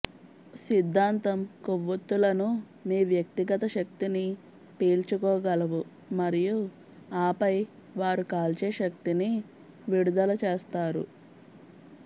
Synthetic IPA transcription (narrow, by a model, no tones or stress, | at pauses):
sid̪ʱːaːnt̪ɐmkoʋːɐt̪ːulɐnu | miːʋjɐk̚t̪iɡɐt̪ɐʃɐk̚t̪ini | peːlt͡ʃukɔːɡɐlɐʋu | mɐɾiju | aːpɐj | ʋaːɾukaːlt͡ʃe̞ːʃɐk̚t̪ini | ʋiɽud̪ɐlɐt͡ʃeːst̪aːɾṵ